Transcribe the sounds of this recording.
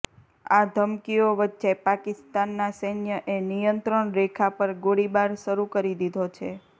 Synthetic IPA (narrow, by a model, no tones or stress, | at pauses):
ad̪ʱəmkijoʋətːʃepakɪst̪anːasəjnjəʔenijənt̪ɾəɳɾekʰapəɾɡoɽibaɾʃəɾukəɾid̪id̪ʱot͡ʃʰe